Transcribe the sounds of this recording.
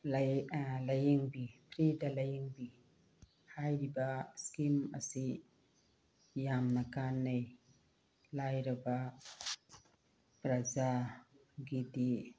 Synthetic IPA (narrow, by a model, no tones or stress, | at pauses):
lalajiŋbipɾidalajiŋbi | hajdibaskima̰si | jamnakanːaj | lajɾaba | pɾaza | ɡidi